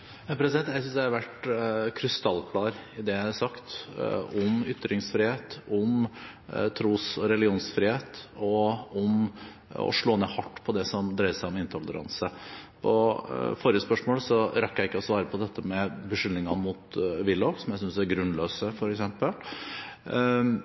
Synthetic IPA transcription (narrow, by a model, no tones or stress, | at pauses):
pʰɾɛsɪd̪ɛnt̪jæɪsʏnsd̪æhɑɾʋæʈkʰɾɪst̪ɑlːkʰlɑːɾɪd̪ɛæɪɑɾsɑkt̪ʊmʏt̪ːɾɪŋsfɾiːheːt̪ɔm | t̪ʰɾuːsɔɾɛlɪuːnsfɾiːheːt̪ɔɔm | ɔ̰ʂɭoːneːhɑʈːpʰɔd̪ɛsɔmd̪ɾæɪəsæɪɔmɪnt̪ʰɔlːə̰ɾɑ̰nsəpʰɔ̰foːɾɪjəspœʂmoːləsɔɾɑkːjæɪkːəɔsʋɑːɾəpʰɔd̪ɛt̪ːəmɛbəʂʏlnɪŋɑmut̪ʋɪlːɔksɔmjæɪsʏnsæɾɡɾʉnːløːsəfɔɾɛksɛmpəl